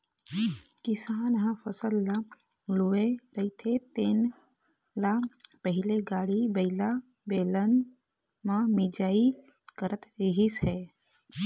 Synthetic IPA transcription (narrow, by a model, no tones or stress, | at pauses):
kɪsaːnɦãfʰəsəlːa | luʋeɾəit̪ʰet̪eːn | lapəɦileɡaːɽibəɪlabeːlən | mãmid͡ʒaːi | kəɾət̪eɦisheː